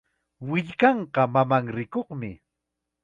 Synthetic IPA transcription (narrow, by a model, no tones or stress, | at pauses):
wɪʎkɑɴqɑmamaŋɾɪkoχmɪ